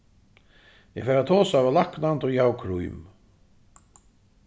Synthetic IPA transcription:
jɛfɛːɾat̪ʰɔːsavalaknant̪ɔjɛhawkʰɾṵjm

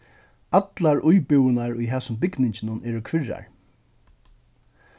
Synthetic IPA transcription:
at̪laɹʔʊjpɪwɪnaɹʊjɦæːsʊmbɪknɪɲt͡ɕɪnʊnɛːɾʊkʰʋɪɹa̰ɹ

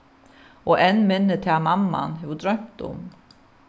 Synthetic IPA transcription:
ɔɛnmɪnːɪt̪ʰɛamamːa̰nɦɛvʏd̪ɾœɥm̥t̪ʊ̰m

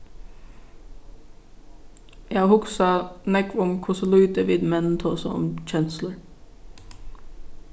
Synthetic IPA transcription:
jæhʊksɑnɛkʰɹʊmkʰʊsəlʉːt̪əʋiːd̪mɛnn̩t̪ʰoːsɔ̰ɔ̰mc͡çɛnsləɾ

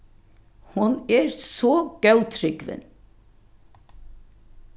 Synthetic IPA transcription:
hɑnæːɾsoːɡ̥ɑʉt̪ʰɾʏɡʋɛ̰n

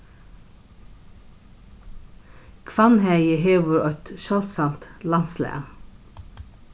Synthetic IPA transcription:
kʰʋɑnhæɪjəɦeːʋʊɾɔʏt̪ʃœlsɑlt̪lɑnslæ̰

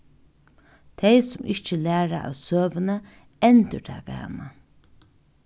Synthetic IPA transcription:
t̪ʰejsʊmɪçt͡ʃəlæːɾa̰ʔa̰wsøːʋənə | ɛnt̪ət̪ʰa̰ːɡa̰ːma

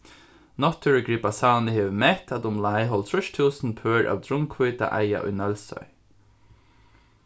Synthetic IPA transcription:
nɔt̪ʰːɪɹəɡɹiːpasaːnɪheːvmɛht̪ʰat̪ʊmlajɦɔlt̪ʰɹʊʃt̪ʰuːsnpʰœːɹʔa̰wd̪ɹʊŋkʰvʏːt̪a̰ʔaja̰ʔʊ̰jnœlsœ̰j

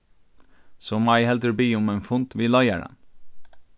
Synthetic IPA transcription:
sɔːmɑɪhɛld̪əɾbiːʊmenfʊnt̪ʋiːlɑɪə̰ɖɛ̰n

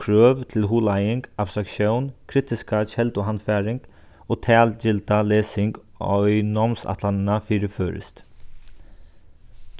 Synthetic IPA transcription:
ɾøːʋt̪ʰɪlɦuːlajɪŋkapst̪ɾakʃjownkʰɾit̪ɪskat͡ʃɛlt̪ɔɦanfɛːɾɪŋk | oːt̪ʰæːlt͡ʃɪlt̪alɛːsɪŋk | ɔ̰jnɔmsa̰t̪lanɪnafiːɾɪføːɾɪ̰st̪

